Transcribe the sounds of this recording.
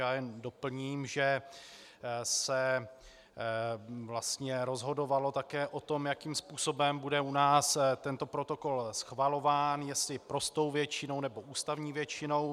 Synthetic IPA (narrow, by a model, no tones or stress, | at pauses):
aːjɛndo̞pl̩ɲiːmʒɛ | sɛ | vlast̪ɲɛɾo̞zɦo̞do̞valo̞t̪akɛːʔot̪o̞mjakimspuːso̞bɛmbudɛunaːst̪ɛnt̪o̞pɾo̞t̪o̞ko̞lsxvalo̞vaːnjɛst̪lɪpɾo̞st̪o̞wvjɛt͡ʃɪno̞wnɛbo̞ʔuːst̪avɲiːvjɛt͡ʃɪno̞w